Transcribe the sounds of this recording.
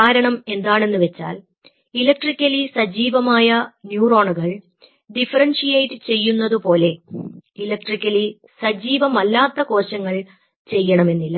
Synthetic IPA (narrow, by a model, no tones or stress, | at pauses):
aːɾɐɳɐme̞nd̪aːɳe̞nːuʋet͡ɕːa̰ːl | ilɐk̚ʈrikʲːɐlisɐd͡ʑiːʋɐmaːjɐnjuːro̞ːɳuɣɐɭ | ɖifɐrɐnʂijɐjʈɨt͡ɕe̞jːunːɐðupo̞ːle̞ilɐk̚ʈrikʲːɐli | sɐd͡ʑiːʋɐmɐlːaːt̪ːɐko̞ːɕɐŋːɐɭ | t͡ɕe̞jːɐɳɐme̞nːilːɐ